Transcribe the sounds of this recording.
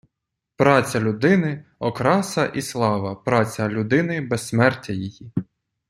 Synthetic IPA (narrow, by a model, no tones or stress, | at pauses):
pɾɑt͡sʲɐlʲʊd̪ɪnɪɔkɾɑsɐʔislˠɑʋɐpɾɑt͡sʲɐlʲʊd̪ɪnɪbɛsmɛrtʲɐjiji